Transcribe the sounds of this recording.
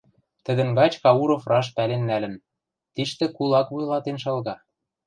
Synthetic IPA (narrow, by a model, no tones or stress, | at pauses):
t̪ɘ̆d̪ə̆nɡɑt͡ɕkɑuɾofrʔɑʃpælenːælɘ̆n | t̪iʃt̪ɘ̆kulɑkβujlˠɑt̪enʃɤlɣɑ